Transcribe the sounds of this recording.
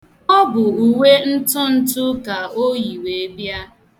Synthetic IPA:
ɔ˦bʊ˨u˨we˦n̩˦tʊ˦n̩˦tʊ˦ka˨o˦ji˨we˨e˦bja˦

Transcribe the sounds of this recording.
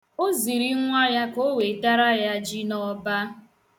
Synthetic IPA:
o˦zi˨ɾi˦ŋʷa˦ja˦ko˦we˨ta˦ɾa˦ja˦d͡ʒi˦nɔ˦ba˦

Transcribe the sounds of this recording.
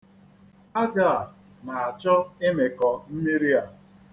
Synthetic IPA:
a˦ɡa˦˨ | na˨a˨t͡ʃɔ˦ɪ˦me˨kɔ˨n̩˦ɲe˦ɾi˦a˨

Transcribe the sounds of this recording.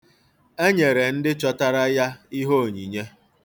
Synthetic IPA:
e˦ɲe˨ɾe˨n̩˦dɪ˦t͡ʃɔ˦ta˦ɾa˦ja˦i˦ɦo˦o˨ɲi˨ɲe˦

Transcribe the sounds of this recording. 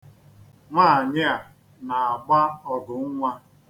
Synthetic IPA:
ŋʷaː˦˨ɲɪ˦a˨ | na˨a˨ɡ͡ba˦ɔ˨ɡʊ˨ŋ̩˦ŋʷa˦

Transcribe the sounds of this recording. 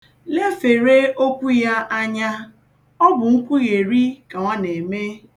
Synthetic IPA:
le˦fe˨ɾe˦o˦kʷu˦ja˦ʔa˦ɲa˦ | ɔ˦bʊ˨ŋ̩˦kʷu˦ɣe˨ɾi˦ka˨ŋʷa˦ne˨me˦

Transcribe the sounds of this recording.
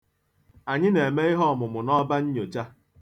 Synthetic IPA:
a˨ɲɪ˦ne˨e˨me˦i˦ɦɔ˦ɔ˨mʊ˨mʊ˨nɔ˦ba˦ɲ̩˦ɲo˨t͡ʃa˦

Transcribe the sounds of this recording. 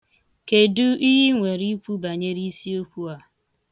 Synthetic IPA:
ke˨du˦ʔi˦ɦi˦ŋʷe˨ɾi˦kʷu˦ba˨ɲe˦ɾi˦si˦o˦kʷu˦a˨

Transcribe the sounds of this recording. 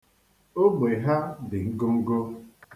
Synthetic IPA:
o˦ɡ͡be˨ɦa˦bɪ˨ŋ̩˦ɡo˦ŋ̩˦ɡo˦

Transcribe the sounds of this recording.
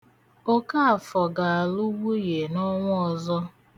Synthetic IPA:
o˦ka˦a˨fɔ˨ɡa˨a˨lu˦wu˦je˨nɔ˦ŋʷ˦ɔ˨zɔ˦

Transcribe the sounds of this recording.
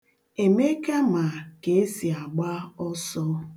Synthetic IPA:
e˨me˦ke˦ma˨ke˨e˦si˨a˨ɡ͡ba˦ɔ˦sɔ˦

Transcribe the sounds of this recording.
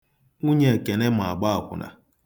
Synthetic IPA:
u˦ɲe˦e˨ke˨ne˦m˨a˨ɡ͡ba˦a˨kʷʊ̰˨na̰˨

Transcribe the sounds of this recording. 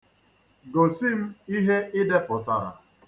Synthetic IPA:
ɡo˨si˦m̩˦i˦ɦe˦ɪ˦de˦pʊ˨ta˨ɾa̰˨

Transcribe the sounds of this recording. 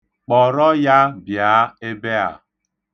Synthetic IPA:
k͡pɔ˨ɾɔ˦ja˦bja˨˦e˦be˦a̰˨

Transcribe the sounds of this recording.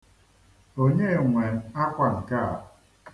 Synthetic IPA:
o˦ɲe˦˨ŋʷe˨n˨a˦kʷa˨ŋ̩˨ka˦˨

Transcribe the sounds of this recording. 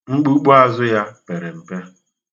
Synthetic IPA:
ŋ͡m̩˦k͡pu˦k͡po˦a˦zʊ˦ja˦pe˨ɾe˨m̩˨pe˦

